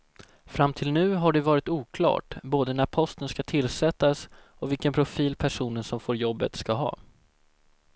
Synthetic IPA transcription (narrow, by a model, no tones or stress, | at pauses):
fɾamt̪ʰɪlnʉ̟ːɦaɖɛvɑːɾɪt̪uːkʰlɑ̰ːʈboːd̪ənæɾpʰɔst̪ənskat̪ʰɪlsɛt̪ːas | ɔvɪlkənpʰɾʊfiːlpʰæʂuːnənsɔmfoːɾjɔbːə̰t̪skaɦɑ̰ː